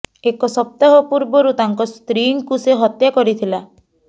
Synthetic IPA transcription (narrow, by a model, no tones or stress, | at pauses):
ekɔsɔp̚t̪aɦɔpuɾbɔɾut̪aŋkɔst̪ɾiŋkuseɦɔt̪jakɔɾit̪ʰila